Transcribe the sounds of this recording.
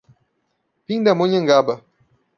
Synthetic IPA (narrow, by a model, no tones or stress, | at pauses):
piŋd̪amoɲəŋɡabə